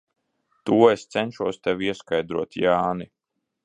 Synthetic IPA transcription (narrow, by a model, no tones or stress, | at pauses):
t̪uɔest̪sɛnʲʃuɔst̪ɛwiɛskajd̪ɾuɔt̪jaːni